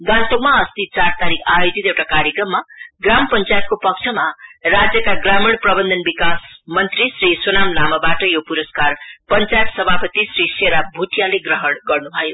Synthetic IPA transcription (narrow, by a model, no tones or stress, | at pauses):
ɡãnt̪okmaʌst̪it͡sart̪aɾikʰajod͡zit̪ewʈakaɾjʌkrʌmːaɡrampʌnt͡sajʌt̪̚kopʌk̚t͡sʰʌmarad͡zjʌkaɡramiɽ̃prʌbʌnd̪ʱʌnbikasmʌnt̪risrisonamnamʌbaʈʌjopuɾʌskarpʌnt͡sajʌt̪sʌbʱapʌt̪isɾiseɾabʱuʈijaleɡrʌɦʌɽɡʌrnubʱʌjo